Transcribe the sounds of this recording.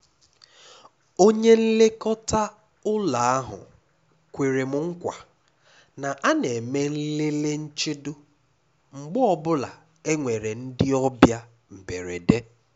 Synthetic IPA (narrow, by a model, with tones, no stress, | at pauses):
o˦ɲe˦n̩˦le˦kɔ˦ta˦ | ʊ˦la˨a˦ɦʊ̰˨ | kʷe˨ɾe˨m̩˨ŋ̩˦kʷa˨ | na˨ʔa˦ne˨me˦n̩˦le˦le˦n̩˦t͡ʃɪ˦dʊ˦ | ŋ͡m̩˨ɡ͡bɔ˦ɔ˦bʊ˦la˨ | e˦ŋʷe˨ɾe˨n̩˦dɪ˦ɔ˦bja˦ | m̩˨be˨ɾe˨de˦